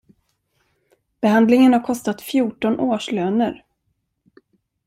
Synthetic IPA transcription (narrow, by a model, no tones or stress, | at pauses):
b̥ɛɦand̪lɪŋənhaɾkʰɔst̪at̪fjuːʈɔnʔoːʂløːnəɾ